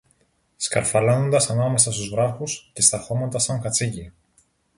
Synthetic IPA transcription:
skɐ̰ɾfɐlono̞nd̪ɐsɐnɐme̞sɐst̪uzvɾɐxusce̞st̪ɐxo̞mɐnt̪ɐsɐŋkɐt͡sici

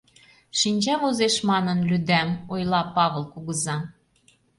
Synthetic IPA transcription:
ʃinʲt͡ɕɑβozeʃmɑnənlʲyd̪æmojlɑpɑβə̆lˠkuɣəzɑ

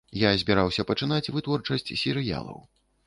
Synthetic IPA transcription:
jazʲbʲɛɾawsʲɐpɐt͡ʂɨnat͡sʲvɨt̪vɔrt͡ʂɐsʲt͡sʲsʲɛɾɨja̰lˠɐ̰w

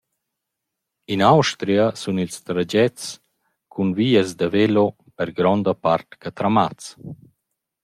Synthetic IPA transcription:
inawʃt̪ɾiasunilst̪ɾad͡ʒɛt͡s | kʰunviːəzd̪avelo | pəɾɡɾɔnd̪əpaɾt̪kat̪ɾamat͡s

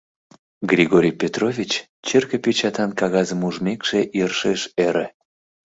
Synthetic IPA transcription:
ɡrʲiɣoɾʲijpʲet̪rovʲit͡ɕ | t͡ɕerkəpet͡ɕɑt̪ɑnkɑɣɑzəmuʒmekʃeʔiərʃeʃeɾe

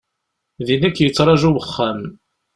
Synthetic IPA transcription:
ðinækːjət͡sːɾˤɑʒuwəχːæm

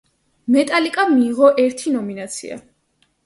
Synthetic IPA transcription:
mɛt̪ʼalikʼamiːʁɔʔɛɾt̪ʰinɔminat̪sʰḭa̰

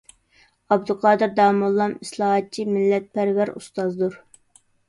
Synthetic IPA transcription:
ɑbd̪ɨqʰɑːd̪ɨɾd̪ɑːmulˠːɑmislˠɑɦɑt̪̚t͡ʃʰimɪlːɛt̪̚pæɾwæɾust̪ɑzd̪uɾ

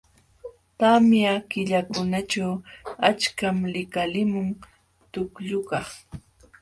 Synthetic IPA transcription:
t̪amjakɪʎakʊnaʈ͡ʂawat͡ʃkamlɪkalɪmʊŋ | t̪ʊkʎʊkɑχ

